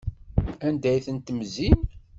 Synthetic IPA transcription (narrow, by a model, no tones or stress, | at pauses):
ænd̪æjθənt̪əmzin